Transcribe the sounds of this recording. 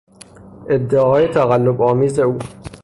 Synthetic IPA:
ʔed̪ːeɒːjet̪ʰæɣalːobɒːmiːzeuː

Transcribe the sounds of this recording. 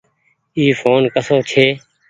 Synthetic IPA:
iːfʰoːnkəsoːt͡ʃʰeː

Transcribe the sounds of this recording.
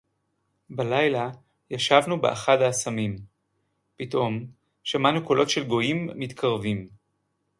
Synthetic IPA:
balajla | jaʃavnubḛʔaχadaːsamim | pitʔo̞m | ʃamanuko̞lo̞tʃe̞lɡo̞imːit̪kʰaʁvim

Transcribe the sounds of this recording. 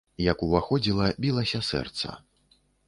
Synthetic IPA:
jɐkuvaxɔd͡zʲilˠɐbʲilˠɐsʲɐsɛ̰rt̪sɐ̰

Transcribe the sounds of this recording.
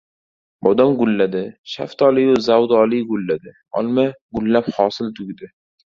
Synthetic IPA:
bɒd̪amɡʊlːad̪ɪʃa̰ft̪ʰɒlɪjʊzawd̪ɒlɪɡʊlːad̪ɪ | ɒ̰lˠmaɡʊlːaphɒsɪlt̪ʰʊɡʲd̪ɪ

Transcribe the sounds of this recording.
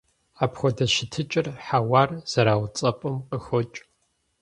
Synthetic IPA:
aːpʰxʷɔdɐʃɪtʰɨt͡ʃʼɪrħawaːrz̥ɐɾaːwt͡sʼɐpʼɨmqʼəxɔt͡ʃʼ

